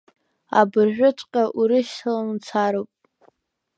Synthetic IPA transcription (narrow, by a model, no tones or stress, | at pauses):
a̰bɨrʒᶣʷʊt͡ʃʷʼqʲʼaʔuɾɨʃtʰalant͡sʰaɾopʼ